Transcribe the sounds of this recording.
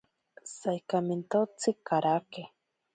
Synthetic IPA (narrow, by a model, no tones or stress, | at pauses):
sajkamint̪ot͡sʰikaɾake